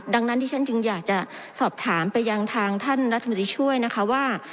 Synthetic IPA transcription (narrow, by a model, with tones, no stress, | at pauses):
da˧ŋna˦˥nt̪iː˥˩a˥˩t͡ɕɯ˧ŋjaː˨˩k̚t͡ɕa˨˩sɔː˨˩p̚t̪ʰaː˩˦mpa˧jːa˧ŋt̪ʰaː˧ŋt̪ʰa˥˩nɾt̪ʰːa˧t̪ɾiː˧t͡ɕʰu˥˩əjna˦˥kʰa˦˥waː˥˩